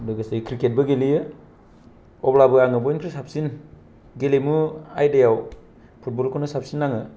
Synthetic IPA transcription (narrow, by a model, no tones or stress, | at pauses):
dɯɡasekʰɾiket̚bɐɡelijɯ | ɔblabɯaŋɯbɔjnkʰɾisap̚sin | ɡelemua̰jdejaw | pʰut̚bɔlkʰonɯsap̚sinːaŋɯ